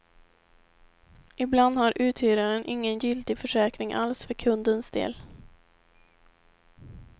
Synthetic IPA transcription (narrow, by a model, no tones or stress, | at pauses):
ʔɪbland̪haɾʔʉ̟ːt̪ʰhyːɾaɾənʔɪŋːənjʏlt̪ɪfœʂɛːkɾɪŋʔa̰lsfœɾkʰɵnd̪ənsd̪ḛːl